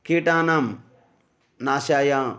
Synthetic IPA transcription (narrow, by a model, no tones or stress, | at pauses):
kiʈãːnɐm | naːsaːja